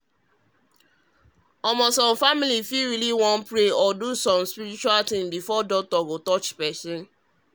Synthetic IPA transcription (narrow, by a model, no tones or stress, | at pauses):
ɔmɔsɔ̃mfamilifiɹiliwɔ̃npɹeɔdusɔ̃mspiɾit͡ʃualtĩmbifɔdɔk̚tɔɡotɔt͡ʃpɛsɔ̃n